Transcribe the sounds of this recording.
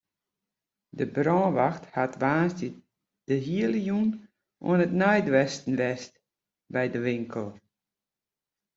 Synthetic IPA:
dəbrɔ̃ːʋaxthatʋaːnstə | d̥əɦiələjun | ʔṵənətnœjdʋɛstn̩ʋɛst | bɛjdəʋɪŋkʰəlˠ

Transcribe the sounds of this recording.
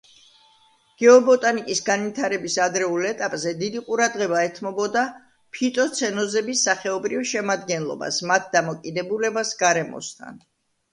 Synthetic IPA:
ɡ̥ɛɔbɔt̪ʼanikʼisɡanvit̪ʰaɾɛbisad̪ɾɛulɛt̪ʼapʼzɛd̪id̪iqʼuɾad̪ʁɛbaɛt̪ʰmɔbɔd̪a | pʰit̪ʼɔt̪sʰɛnɔzɛbisːaχɛɔbɾivʃɛmad̪ɡɛnlˠɔ̰ba̰smat̪̚ʰd̪amɔkʼid̪ɛbulɛbasɡaɾɛmɔ̰st̪ʰa̰n

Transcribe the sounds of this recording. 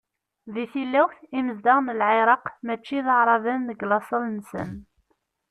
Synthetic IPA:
ðiθilːæwθiməzd̪aʁnəlʕeɾˤɑqmæt͡ʃːiðəʕɾˤɑvænðəɡlɑsˤəlnsə̰n

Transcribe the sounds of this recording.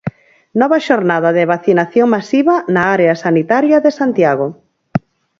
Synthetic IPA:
nɔβɐʃoɾnaðɐðeβaθinaθjoŋmasiβɐnaaɾeasanit̪aɾjɐðesant̪jaɣ̞o

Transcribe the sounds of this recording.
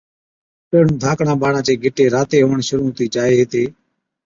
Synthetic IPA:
pəɳːd̪ʱãːkɳãːɓaːɳãːt͡ʃeːɡʱɪʈeːɾaːt̪eːɦoːɳʃʊɾuːt̪iːt͡ʃaːɦeːɦeːt̪eː

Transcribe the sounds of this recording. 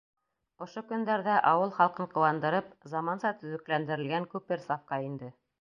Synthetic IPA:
ŏʃokɵ̆nd̪æɾðæʔɑwɤlˠχɑlˠqɤɴqŏwɑnd̪ɤ̆ɾɤpzɑmɑnsɑt̪ɵ̆ðɘ̆klænd̪ɘ̆ɾɘ̆lɡæŋkʉpɘɾsɑfkɑind̪ɘ

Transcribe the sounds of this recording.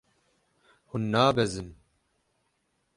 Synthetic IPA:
hunːaːbɛzɨn

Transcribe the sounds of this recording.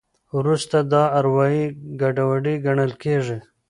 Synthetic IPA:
wɾust̪ad̪ɑːɾwɑiɡaɖawaɖiɡaɳəlkeʐi

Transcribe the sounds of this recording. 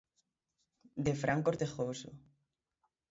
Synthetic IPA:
d̪efɾʔaŋkoɾt̪exoso̰

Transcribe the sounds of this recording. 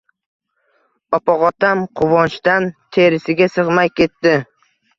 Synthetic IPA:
ɒpɒqɒt̪amqʰʊvɒnt͡ʃt̪ant̪ʰe̞ɾɪsɪɡʲasɨʁmajkʲe̞t̪ːɪ

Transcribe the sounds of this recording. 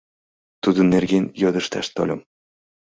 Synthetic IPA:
t̪ud̪ɤ̆nːerɡʲenʲjod̪ɤ̆ʃt̪ɑ̰ʃt̪o̰lʲɤ̆m

